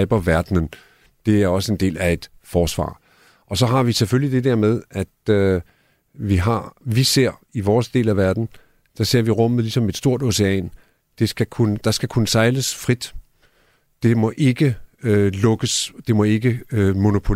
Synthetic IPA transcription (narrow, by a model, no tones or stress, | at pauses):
b̥ɐʋæɐd̥nən | d̥e̝æɐɒ̽səe̝nd̥e̝̰ːlæe̝d̥fɒːsʋɑ̰̈ː | ɒ̽sɒ̽ɦɑ̈ʋiseføljid̥e̝d̥æɐmeð̞ˠæd̥ | ʋiɦɑ̈ʋise̝ɐ̰iʋɒːsd̥e̝̰ːlæʋæɐd̥n̩ | d̥ɑ̈se̝ɐ̰ʋiʁɔ̽m̰ð̩ˠlisɒ̽me̝d̥sd̥o̝ɐ̰d̥oseɛ̰ːn | d̥e̝sɡ̥ækʰunəd̥ɑ̈sɡ̥ækʰunəsɑ̈ɪləsfʁid̥ | d̥e̝mɒ̽ʔe̝ɡ̥əlɔ̽ɡ̥əsd̥e̝mɒ̽e̝ɡ̥əmo̝no̝pʰo̝